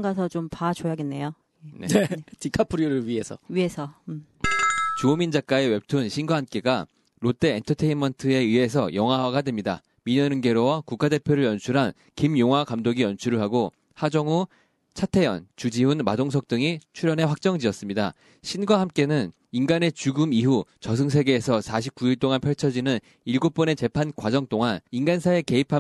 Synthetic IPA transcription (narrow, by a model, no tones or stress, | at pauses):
ŋɡasʰʌt͡ɕompat͡ɕojaɡenːe̞jo | eneetikʰapʰuɾiɾɯɭɥie̞sʰʌ̰ɥie̞sʰʌm | t͡ɕomind͡ʑak͈ae̞we̞p̚tʰunɕʰinɡwaɦamk͈e̞ɡa | ɾot͈e̞ːntʰʌtʰe̞imʌntʰɯe̞iɦe̞s̬ʰʌjʌŋɦwaɦwaɡadwe̞mɲida̰ | miɲʌnɯnɡe̞ɾowakuk͈ade̞pʰjoɾɯɭjʌnt͡ɕʰuɾɦan | kimjoŋɦwakamdoɡijʌnt͡ɕʰuɾɯɭɦaɡo | had͡ʑʌŋu | t͡ɕʰatʰe̞jʌ̰nt͡ɕud͡ʑiunma̰doŋsʰʌk̚t͈ɯŋit͡ɕʰuɾjʌne̞ɸwak̚t͡ɕ͈ʌŋd͡ʑiʌs͈ɯmɲida̰ | ɕʰinɡwaɦamk͈e̞nɯn | inɡane̞t͡ɕuɡɯmiɦut͡ɕʌs̬ʰɯŋs̬ʰe̞ɡe̞ːsʰʌsʰaɕʰip̚k͈uiɭt͈oŋanpʰjʌɭt͡ɕʰʌd͡ʑinɯn | iɭɡop͈ʌne̞t͡ɕe̞pʰankwad͡ʑʌŋt͈oŋaninɡansʰae̞ke̞ipʰa